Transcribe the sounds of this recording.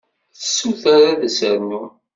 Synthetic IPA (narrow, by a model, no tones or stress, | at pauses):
θəsːuθaɾaðəsəɾnu